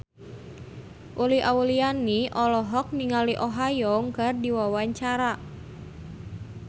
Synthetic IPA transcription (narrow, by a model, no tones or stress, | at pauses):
ʔuliʔaulianiʔɔlɔɦɔk̚niŋaliʔɔɦajɔŋkərdiwawaɲt͡ʃaɾa